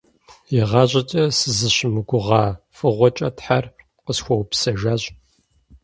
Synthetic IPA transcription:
jɪʁɑːʑʼɐt͡ʃʼɐsɨzɨɕɪmɨɡʷʊʁɑːfɨʁʷɔt͡ʃʼɐtħar | qəsxʷɔwpsɐʒaːʑʼ

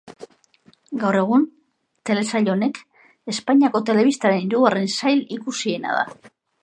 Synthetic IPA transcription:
ɡawre̞ɣ̞un | t̪e̞le̞saʎo̞ne̞k | e̞spaɲiako̞t̪e̞le̞β̞ist̪aɾe̞niɾuɣare̞nsajlikusie̞na̰ða̰

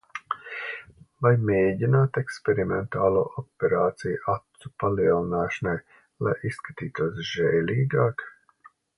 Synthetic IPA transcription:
vajmeːɟinaːt̪ɛkspʲɛɾimɛnt̪aːlˠuːʔɔpʲɛɾaːt̪sijʔat̪supaliɛlˠinaːʃanaj | lˠa̰jisːkat̪iːt̪uɔs̬ʒɛːlʲiːɡaːk

